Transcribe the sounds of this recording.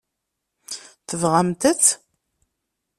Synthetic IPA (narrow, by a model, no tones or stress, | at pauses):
θəvʁamt̪ət͡sː